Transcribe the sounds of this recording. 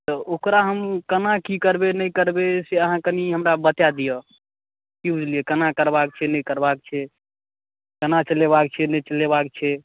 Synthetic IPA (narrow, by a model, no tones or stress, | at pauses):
t̪əokɾaɦəmkənakikəɾbenəjkəɾbeseəɦãkəniɦəmɾabət̪jad̪ijə | kibʱud͡ʒlijekənakəɾbak̚t͡ʃʰɛnəjkəɾbak̚t͡ʃʰɛ | kənat͡ʃəleβakt͡ʃʰɛnət͡ʃəlebak̚t͡ʃʰɛ